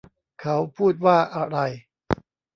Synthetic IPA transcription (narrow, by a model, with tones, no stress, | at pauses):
kʰa˦˥wpʰuː˥˩t̪̚waː˥˩ʔa˧ɾa˧j